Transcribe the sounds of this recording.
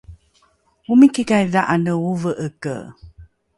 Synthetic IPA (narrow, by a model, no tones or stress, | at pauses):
umikikajðaʔanəuvəʔəkə̰